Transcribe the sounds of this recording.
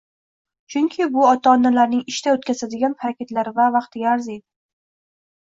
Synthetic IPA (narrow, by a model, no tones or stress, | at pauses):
t͡ʃʰʊŋkʲʰɪbʊɒt̪ʰaɒːnːalaɾnɪŋɪʃt̪aot̪kʲʰazad̪ɪɡʲanpaɾakʲet̪laɾɪvavɑqt̪ʰɪɡʲaːɾzejd̪ɪ